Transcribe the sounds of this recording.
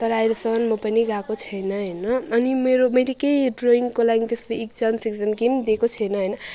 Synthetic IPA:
t̪ʌɾajɾosʌʌnmʌpʌniɡakot͡sʰʌjnʌɦʌjnʌːnimeɾomʌjlekejɖroiŋkolaɡit̪esleːkd͡zʌnsikd͡zanɡimd̪ekot͡sʰʌjnʌɦʌjnʌ

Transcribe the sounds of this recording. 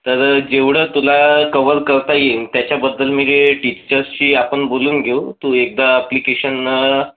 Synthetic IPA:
t̪əɾd͡ʑeʋɽət̪ulakəʋəɾkəɾt̪ajet̪jat͡ɕjabəd̪ːəlmid͡ʑeʈit͡ɕəɾst͡ɕiːapəɳboluːnɡʱeut̪uːek̚d̪aːplikeɕən

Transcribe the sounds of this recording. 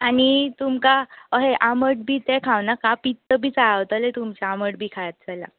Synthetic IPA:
añit̪umkaəɦeʔaməʈ̚bʱiːt̪ɛkʰawnakapit̪ːəbʱiːt͡saawt̪əlet̪umt͡ɕaaməʈbʱiːkʰajat̪̚d͡zala̰

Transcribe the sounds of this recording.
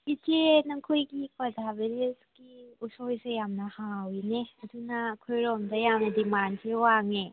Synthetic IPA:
itenaŋkʰojɡipazabeɾesɡ̥iusɔjsejamnɐhawineɐdunaːkʰojɾɔmdɐjamnɐdimansʰewaŋe

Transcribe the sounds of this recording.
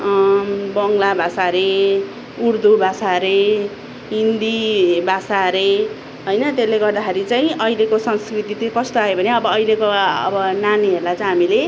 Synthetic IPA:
bʌŋlabʱasaɾe | uɾd̪ubʱasaɾe | ɦind̪ibʱasaɾe | ɦʌjnʌt̪elːeɡʌrd̪axaɾit͡saĩʔʌilekosʌŋskrit̪it̪ikʌst̪oajobʱʌneʌbʌːjlekoʌ̰bʌnaniɦeɾlat͡saĩɦamile

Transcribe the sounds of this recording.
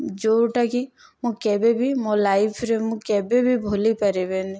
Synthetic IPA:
d͡ʒoːʈaki | mõkɛːbebʱimolaːɪpʰɾemũkɛːbebʱibʱoːlipɐɾebeːni

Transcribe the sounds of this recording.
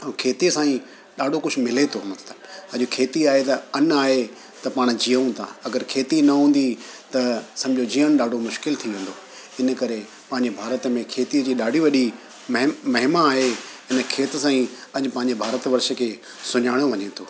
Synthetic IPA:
kʰeːt̪iəsãːĩ | ɗaːɖʱokʊd͡ʑʱʰʊmɪlet̪ʰomɐt̪ləbɐ̃ʄokʰeːt̪iaːɦet̪ɐɐnaːɦe | t̪ɐpaːɽ̃d͡ʑijəũt̪ʰa̰ːɐɡəɾkʰeːt̪inɐɦũːn̆d̪it̪ɐsɐ̃md͡ʑʱod͡ʑiːəɽ̃ɗaːɖʱomʊʃkɪlt̪ʰiʋẽːnd̪oː | ɪnə̆kɐɾe | pɐ̃ɦɪɲd͡ʑebʱaːɾət̪mẽkʰeːt̪iəd͡ʑiːɗaːɖʱiʋɐɗi | mɦmɐɦɪmaaːɦe | ɪnəkʰeːt̪əsãːĩɐɲpɐ̃ɦɪ̃ɲd͡ʑebʱaːɾət̪ʋɐɾʃə̆kʰeː | sʊɲaːɪɽ̃oʋɐɲẽt̪ʰoː

